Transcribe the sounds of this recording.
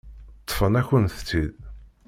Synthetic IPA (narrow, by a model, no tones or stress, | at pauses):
t̪ˤːfənæçənθə̥t͡sːið